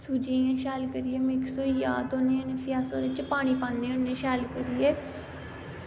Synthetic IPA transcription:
suːd͡ʒiãːʃɛːlkəɾieːmɪksoːja̰ːd̪oːnenepʰjaːsoːɾet͡ʃəpaːɽ̃iːpãːnẽːʊnːẽːʃɛːlkəɾiːeː

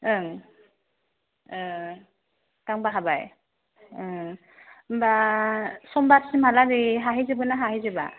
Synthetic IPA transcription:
ɯŋ | ɯ | kaŋbaɦabaj | ɯ | mba | sɔmbatsimaladiɦaɦizɯbɯnaɦaɦizɯba̰

